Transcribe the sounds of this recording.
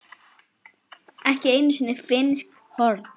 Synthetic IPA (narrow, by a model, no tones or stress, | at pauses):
ɛhcɪeːjnʏsinːɪfɪnsk | hɔɾt̪n